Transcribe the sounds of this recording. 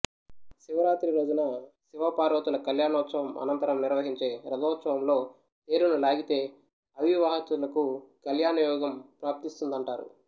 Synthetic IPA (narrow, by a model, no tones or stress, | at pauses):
siʋɐɾaːt̪ɾiɾo̞ːd͡ʒunɐsiʋɐpaːɾoːt̪ulɐkɐljaːnɔːt̪sɐʋɐmɐ̰nɐnt̪ɐɾɐmniɾʋɐɦiɲt͡ʃe̞ːɾɐd̪ɔːt̪sɐʋɐmlo̞ː | t̪e̞ːɾunulaːɡit̪e̞ː | ɐʋiʋaːɦɐt̪ulɐkukɐljaːnɐjɔːɡɐmpɾaːp̚t̪ist̪und̪ɐɳʈaːɾṵ